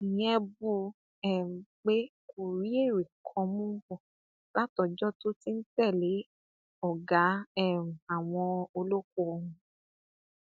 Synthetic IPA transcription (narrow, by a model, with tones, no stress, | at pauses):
nĩ˨˦ɛ˦bu˧ | ɛ˦˨ũ˨k͡pe˦ku˨ɾi˨˦e˦˨ɾi˨kʰɔ̃˧mũ˦bɔ˦˨ | la˦tɔ˨d͡ʒɔ˦to˦ti˦n̩˦tɛ˦˨le˨˦ | ɔ˦˨ɡa˨˦ɛ˦˨ũ˨a˨w̃ɔ̃˧o˧lo˦ko˦˧hũ˧